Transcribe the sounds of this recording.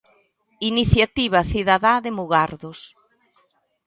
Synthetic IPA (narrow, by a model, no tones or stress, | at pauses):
iniθjat̪iβ̞ɐθiðaðaðɪmuɣaɾðʊs